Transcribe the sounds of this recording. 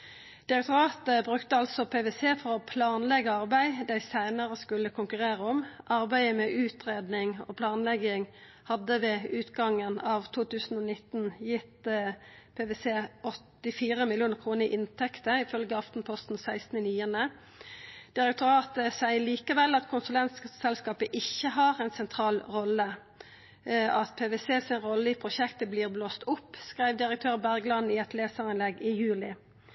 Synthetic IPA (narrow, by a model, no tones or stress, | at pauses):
d̪̥ɪʁɛk̚t̪ʊɾɑːt̪əbʁʉkt̪əɑlsɔpʰeːʋɛːseːfɔʁɔpʰlɑːnlɛɡəɑʁbæɪd̪æɪsæɪnəʁəskʉləkʰʊŋkʉʁeːʁəɔmʔɑʁbæɪəmɛʔʉːt̪ʁeːd̪nɪŋo̰ːpʰlɑːnlɛɡɪŋ | hɑd̪əʋeːʉːt̪ɡɑŋənɑːʋt̪ʰuːt̪ʉːsn̩ɔːnɪt̪n̩jɪt̪ | pʰeːʋeːseːʔɔt̪ːɪfiːʁəmɪlɪuːnəʁkʰʁuːnəʁɪʔɪnt̪ʰɛkt̪əɪfœlɡəɑft̪n̩pʰɔst̪n̩sæɪst̪n̩əniːənə | d̪̥ɪʁɛk̚t̪ʰʊɾɑːt̪əsæɪəɭiːkəʋɛlɑt̪kʰʊnsʉlɛnt̪sksɛlskɑːpəʔɪçːəɦɑːʁɛnsɛnt̪ʰʁɑːlʁɔlə | ɑt̪pʰeːʋɛseːsɪnʁɔlːəɪpʰʁʊʃɛkt̪əbliːʁbloːst̪ʊpːskʁæɪʋd̪ɪʁək̚t̪ʰøːʁbæʁɡlɑd̪nnɪɛt̪leːsəʁɪnlɛɡɪjʉːlɪ